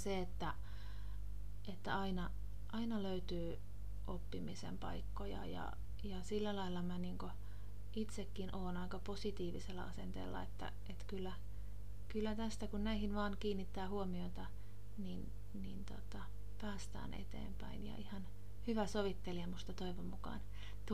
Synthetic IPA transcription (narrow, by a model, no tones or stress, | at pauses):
seet̪ːæ | ʔet̪ːæɑinɑ | ʔɑinɑløyt̪yː | ʔopːimisḛmpɑ̰ikːojɑ̰jɑ̰ | jɑsilːælɑilːɑmæniːŋko | it̪sekːinʔoːnɑikɑposit̪iːʋiselːɑ̰ɑsent̪ḛːlːɑ̰ḛt̪ːæ̰ʔet̪kylːæ | kylːæt̪æst̪ækunnæihinʋɑːŋkiːnːit̪ːæːhuomioit̪ɑ | nin | nint̪ot̪ɑ | pæːst̪æ̰ːnʔḛt̪ḛːmpæinjɑ̰ʔihɑn | hyʋæsoʋit̪ːeliæmust̪ɑt̪oiʋommukɑ̰ːn | t̪